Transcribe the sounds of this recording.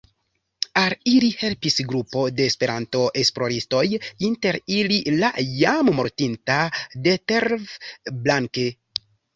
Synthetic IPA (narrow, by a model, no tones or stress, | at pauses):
alilihe̞lpisɡɾupo̞de̞ːspe̞ɾanto̞ʔe̞sploɾisto̞jinte̞ɾilila̰jammo̞ɾtintade̞teɾvblaŋke